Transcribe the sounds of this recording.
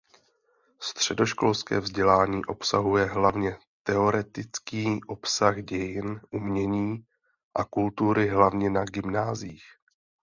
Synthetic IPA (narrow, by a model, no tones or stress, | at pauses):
st̪r̝̥ɛdo̞ʃko̞lskɛ̰ːvzɟɛlaːɲiːʔo̞psaɦujɛɦlavɲɛ | t̪ɛo̞ɾɛt̪ɪt͡skiːʔo̞psaɣɟɛjɪnʔumɲɛɲiː | ʔakult̪uɾɪɦlavɲɛnaɡɪmnaːziːx